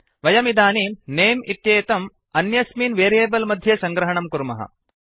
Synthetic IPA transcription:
ʋɐjɐmid̪aːniːmneːmit̪jeːt̪ɐm | ɐnjɐsmiːnʋeːɾjeːbɐlmɐd̪ʱjɐsɐŋɡɾɐɦɐɳɐmkuɾmɐ̰ɦɐ̰

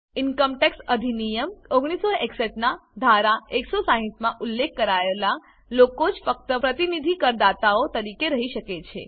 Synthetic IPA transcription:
inkəmʈeksʈəd̪ʱinijəmoɡɽ̃isoeksəʈnad̪ʱaɾaeksosaɦĩsmãʔulːekːəɾaela | lokod͡ʒfək̚t̪əpɾət̪inid̪ʱikəɾd̪at̪aot̪əɾikeɾəɦiʃəket͡ʃʰḛ

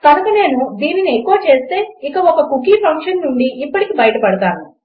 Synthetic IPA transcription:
kɐnɐkɐne̞ːnud̪iːniniekːuːɐt͡ʃe̞ːst̪e̞ːikɐɔkɐkukiːpʰɐŋkʂɐnːuɳɖiʔːpːɐʈikibɐjʈɐpɐɽɐt̪a̰ːnu

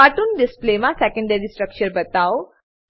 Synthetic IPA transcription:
aʈuːnɖisplemãsɛkə̃ɳɖəɾisʈɾəkt͡ɕəɾbət̪aw

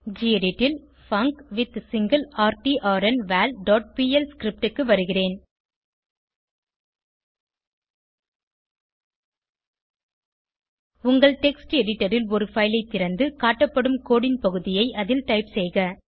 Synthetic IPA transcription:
d͡ʒiːɛɽɪʈːɪl | fɐŋkʋɪt̪sɪŋɡɐlaːɾʈiːʔaːɾɛnʋaːlɖɔːʈ̚piːɛlskɾɪp̚ʈɯkːɯʋɐɾɯɣɪreːn | ʊŋɡɐɭʈɛksʈɛɽɪʈːɐɾɪlɔɾɯfɐɪlɐɪt̪ːɪɾɐnd̪ɯkaːʈːɐpːɐɽɯmkoːɽɪnpɐɣɯðɪjɐɪʔɐðɪlʈɐɪpsɛjɣɐ

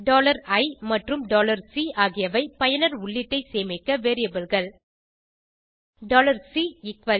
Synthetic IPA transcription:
ɖoːlɐɾɐɪmɐʈrɯmɖoːlɐɾsiːʔaːɣɪjɐʋɐɪpɐjɐnɐɾʊɭːɪʈːɐɪseːmɐkːɐʋeːɾɪjɐbɯlɣɐɭ | ɖoːlɐɾsiːɪkʋɐ

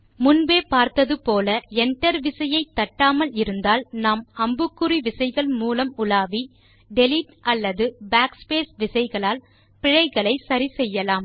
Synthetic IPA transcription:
mʊnbeːpaːɾt̪ɐðɯpoːlɐɛɳʈɐɾʋɪsɐjɐɪt̪ːɐʈːaːmɐlɪɾɯnd̪aːlnaːmɐmbɯkːɯriʋɪsɐɪɣɐɭmuːlɐmʊlaːʋi | ɖɛlɪʈɐlːɐðɯbaːkspeːsʋɪsɐɪɣɐɭaːl | pɪɻɐɪɣɐɭɐɪsɐɾisɛjːɐlaːm

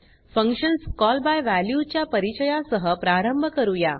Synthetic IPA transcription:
fə̃ŋkʂənskɔlbajʋæljut͡ɕjapəɾit͡ɕəjasəɦəpɾaɾəmbʱəkəɾuja̰

